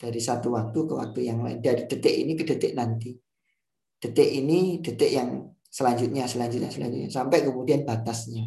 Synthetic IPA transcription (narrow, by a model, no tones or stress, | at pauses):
d̥aɾisat̪uwak̚t̪ukəwa̰k̚t̪ujaŋla̰ɪndaɾid̥ət̪ɪʔḭnikədət̪ɪʔnant̪i | d̥ət̪ɪʔinid̥ət̪ɪʔjaŋ | səlaɲd͡ʒʊt̪̚ɲasəlaɲd͡ʒʊt̪̚ɲasəla̰ɲd͡ʒʊt̪ɲasampɛkəmudianbat̪asɲa